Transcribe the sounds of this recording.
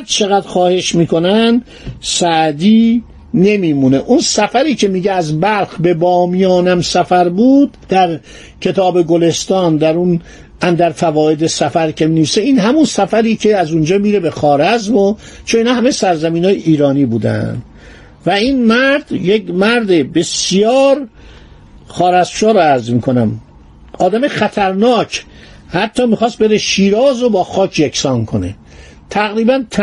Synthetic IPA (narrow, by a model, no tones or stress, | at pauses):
ɾd̪̚t͡ʃʰe̞ɣæd̪̥xɒːhe̞ʃmiːkʰo̞nænd̪ | sæʔd̪iː | ne̞miːmune̞ʔunsæfæɾiːcʰe̞miːɟeæzbælxbe̞bɒːmijɒːnæmsæfæɾbuːd̪ːæɾ | cʰe̞t̪ʰɒːbe̞ɡole̞st̪ɒːnd̪æɾun | æmd̪æɾfævɒːe̞d̪esæfæɾcʰe̞miːneviːseiːnɦæmunsæfæɾiːcʰe̞æzund͡ʒɒːmiːɾe̞bexɒːɾæzmo | t͡ʃʰoniːnɒːhæmesæɾzæmiːnɒːjeʔiːɾɒːniːbuːd̪æ̰nd̪ | væiːnmæɾd̪̥jekmæɾd̪ebe̞sjɒːɾ | xɒːɾæzmʃɒːɾoæɾzmiːkʰo̞næm | ʔɒːd̪æmeχæt̪ʰæɾnɒːcʰ | hæt̪ʰːɒːmiːxɒːst̪̚be̞ɾeʃiːɾɒːzobɒːxɒːcʰjekʰsɒːnkʰo̞ne̞̰ | t̪ʰæɣɾiːbænt̪ʰ